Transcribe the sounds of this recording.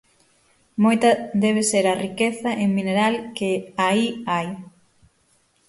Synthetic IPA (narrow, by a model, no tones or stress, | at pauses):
mojt̪ɐd̪ɛβ̞eseɾɐrikeθɐʔeŋmineɾalkɪaiaj